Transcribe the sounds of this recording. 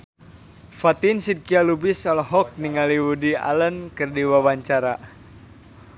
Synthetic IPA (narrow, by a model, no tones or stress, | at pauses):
fat̪insid̚kialubisalɦɔk̚niŋaliwudia̰lənkɨrdiwawaɲt͡ʃaɾa